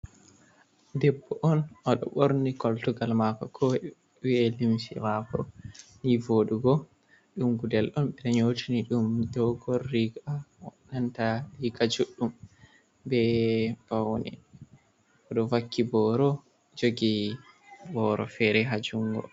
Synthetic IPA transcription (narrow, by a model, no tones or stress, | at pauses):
dɛbːɔʔɔnʔɔɗɔ̰ɓoɾnikɔltuɡalmakɔkʰɔ | wiɛlimsḭmakɔnivoduɡɔ | ɗumɡudɛlʔɔnɓɛɗaɲoːtʰiniɗumdɔɡɔlːiɡaɔɗantaliɡad͡ʒuɗːum | bɛb̥awnɛ̰ | ʔɔɗɔvakʰːibɔɾɔ | d͡ʒoɡi | bɔɾɔ̰fɛɾɛɦad͡ʒuŋɡɔ̰